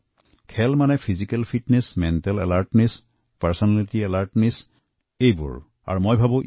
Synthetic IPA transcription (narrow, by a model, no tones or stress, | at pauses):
kʰɛlmanɛpʰizikɛlpʰitnɛsmɛntɛlɛ̰laɹtnɛs | pɛɹsɔnalitiɛlaɹtnɛs | ejbʊ̰ɹ | a̰ɹumojbʱabõ